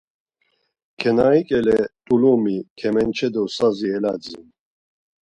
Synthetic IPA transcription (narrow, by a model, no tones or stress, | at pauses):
kʰɛnaikʼɛlɛt̪ʼulumikʰɛmɛnt͡ʃʰɛd̪ɔsaziɛlad͡zḭn